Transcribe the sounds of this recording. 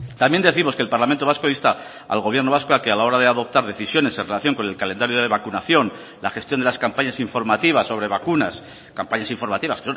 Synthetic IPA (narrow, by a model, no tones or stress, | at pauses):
t̪amjend̪e̞θimo̞skelpaɾlament̪oaskoist̪a | a̰lɣo̞βjeɾno̞βaskoakealao̞ɾaðe̞aðo̞p̚t̪aɾðe̞θisjo̞ne̞senrelaθjo̞ŋko̞ne̞lkalend̪aɾjoðeβakunaθjo̞n | laχe̞st̪jo̞nd̪e̞laskampaɲasiɱfo̞ɾmat̪iβasːo̞β̞ɾe̞βakunas | kampaɲasiɱfo̞ɾmat̪iβaskeson